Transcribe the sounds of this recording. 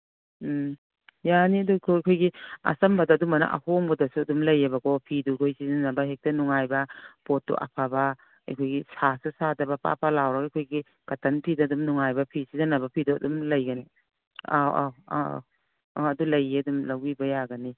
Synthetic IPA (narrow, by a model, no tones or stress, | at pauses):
janiɐdukʰojkʰojɡiɐ̰sɐmbɐdaːdumɐna̰ʔa̰hoŋbɐdɐsuɐdumlɐjabɐɡɔpʰidukʰojsizanɐbɐɦek̚tɐnuŋajbɐpotːṵʔa̰pʰaba | ɐ̰jkʰojɡisasusadɐbapa̰palawɾɐɡajkʰojɡi | kɐtɐnpʰidɐdumnuŋajbɐpʰisizɐnɐbɐpʰiduɐ̰dumlɐjɡɐni | a̰wa̰a̰ | aɐdulɐjeɐdumlɐwibɐjaɡɐni